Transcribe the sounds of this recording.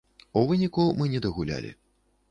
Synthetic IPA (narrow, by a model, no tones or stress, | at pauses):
uvɨnʲikumɨnʲɛd̪ɐɣulʲa̰lʲḭ